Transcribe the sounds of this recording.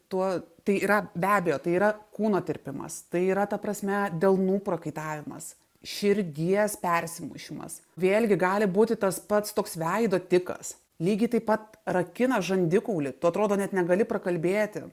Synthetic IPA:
t̪uɔt̪ɐɪiːɾɐbʲæːbʲejoːt̪ɐɪiːɾɐkuːnoːt̪ʲɪɾʲpʲɪmɐ̰st̪ɐɪiːɾɐt̪ɐpɾɐsʲmʲɛd̪ʲɛlˠnuːpɾɐkɐɪt̪ɑːʋʲɪmɐ̰s | ʃʲɪɾʲɡʲiɛspʲɛɾʲsʲɪmʊ̰ʃʲɪmɐ̰sʋʲeːlʲɡʲɪɡɑːlʲɪbuːt̪ʲɪt̪ɐspɐt̪st̪oːksʋʲɛɪd̪oːt̪ʲɪkɐ̰s | lʲiːɡʲɪt̪ɐɪpɐt̪ | rɐkʲɪnɐʒɐnʲd̪ʲɪkuʊlʲɪt̪ʊɐt̪ɾoːd̪oːnʲɛt̪nʲɛɡɐlʲɪpɾɐkɐlʲbʲeːt̪ʲɪ

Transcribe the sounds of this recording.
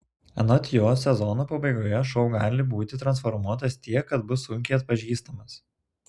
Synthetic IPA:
ɛ̰nɔt̪ʲjoːsʲɛzɔnoːpɐbɐɪɡoːjɛʃɔʊɡɑːlʲɪbuːt̪ʲɪt̪ɾɐnsfɔɾmuɔt̪ɐst̪ʲiɛkːɐt̪bʊsːʊŋʲkʲɛɪɐt̪̚pɐʒʲiːst̪ɐmɐs

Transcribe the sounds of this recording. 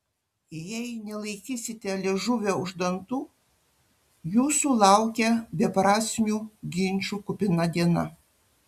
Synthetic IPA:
jɛɪnʲɛlˠɐɪkʲiːsʲɪt̪ʲɛlʲɛʒʊʋʲeʊʒd̪ɐnt̪uː | juːsuːlˠɑˑʊkʲɛbʲɛpɾɑːsʲmʲuːɡʲɪnʲt͡ʃʲuːkʊpʲɪnɐd̪ʲiɛnɐ̰

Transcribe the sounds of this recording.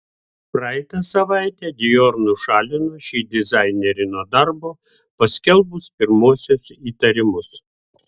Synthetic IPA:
pɾɑɛt̪ɐsɐʋɑˑɪt̪ʲɛːd̪ʲɪjoːɾnʊʃɑːlʲɪnoʃʲiːd̪ʲɪzɑɪnʲɛɾʲɪnoːd̪ɐɾboː | pɐsʲkʲɛlˠbʊspʲɪɾmoːsʲoːsiːt̪ɐɾʲɪmʊs

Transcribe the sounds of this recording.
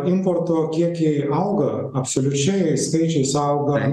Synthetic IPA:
ɪmpoːɾt̪oːkʲiɛkʲɛɪɐʊɡɐ | ɐpsolʲʊt͡ʃʲɛɪskɐɪt͡ʃʲɛɪsɐʊɡɐ

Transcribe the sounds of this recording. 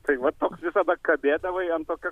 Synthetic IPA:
t̪ɐɪʋɐtt̪oːksʋʲɪsɐd̪ɐkɐbʲeːd̪ɐʋɐɪɐnt̪oːkʲɛ

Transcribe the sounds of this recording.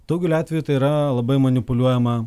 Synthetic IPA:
d̪̥ɐʊɡʲuːlʲɑːt̪ʲʋʲɛjuːt̪ɐɪiɾɐlˠɐbɐɪmɐnʲɪpʊlʲuɔjɛmɐ

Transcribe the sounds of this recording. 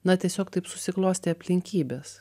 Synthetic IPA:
nɐt̪ʲiɛsʲoːkt̪ɐɪpsʊsʲɪklˠoːsʲt̪ʲeɐpʲlʲɪŋʲkʲiːbʲeːs

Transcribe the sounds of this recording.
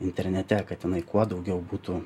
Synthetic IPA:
ɪnʲt̪ʲɛɾʲnʲɛt̪ʲɛkɐt̪jɪnɐɪkuɔd̪ɒʊɡʲɛʊbuːt̪uː

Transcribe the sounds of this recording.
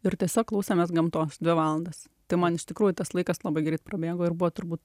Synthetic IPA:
ɪɾt̪ʲiɛsʲoːklˠɐʊsʲeːmʲɛsɡɐmt̪oːsd̪ʲʋʲɪʋɑːlˠɐnd̪ɐs | t̪ɐɪmɐnɪʃt̪ʲɪkɾuːjʊt̪ɐslˠɐɪkɐslˠɐbɐɪɡɾʲɛɪt̪̚pɾɐbʲeːɡoːɪrbʊʋoːt̪ʊɾbuːt̪

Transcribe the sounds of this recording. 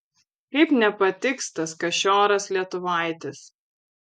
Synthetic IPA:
kɐɪpnʲɛpɐt̪ʲɪkst̪ɐskɐʃʲoːɾɐslʲiɛt̪ʊʋɐˑɪt̪ʲɪs

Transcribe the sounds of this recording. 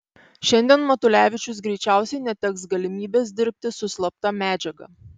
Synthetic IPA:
ʃʲɛnʲd̪ʲiɛnmɐt̪ʊlʲæːʋʲɪt͡ʃʲʊsɡɾʲɛɪt͡ʃʲæˑʊsʲɛɪnʲɛt̪ʲɛksɡɐlʲɪmʲiːbʲeːs̬d̪ʲɪɾʲp̚ʲt̪ʲɪsʊsʲlˠɐp̚t̪ɑmʲæːd͡ʒʲɛɡɐ̰ˑ

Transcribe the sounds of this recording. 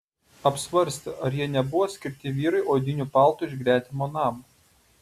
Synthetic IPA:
ɐpʲsʲʋɐɾʲsʲt̪ʲɪʔɐɾjiɛnʲɛbʊʋoːsʲkʲɪɾʲt̪ʲɪʋʲiːɾɐɪʔoːd̪ʲɪnʲuːpɑˑlˠt̪ʊɪʒɡɾʲæːt̪ʲɪmoːnɑːmɐ

